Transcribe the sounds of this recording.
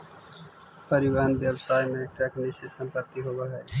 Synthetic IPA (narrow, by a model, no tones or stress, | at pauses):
pəɾɪʋaːnbjəbsaːjmẽʈɛːknisesə̃mpət̪ːiɦoʋaɦɛː